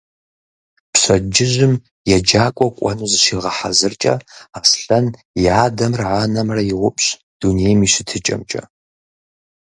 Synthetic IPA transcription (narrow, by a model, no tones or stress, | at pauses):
pɕɐd͡ʒɪʑɪm | jɛd͡ʒaːkʷʼɔkʷʼɔ̰nuːzɨʃiːʁɐħa̰zɨrt͡ʃʼɐ̰aːsɬɐn | jaːdɐmrʕaːnɐmrɐjɪʁʷʊpʼɕ | d̥unejmiːɕɪtʰɨt͡ʃʼɐ̰mt͡ʃʼɐ̰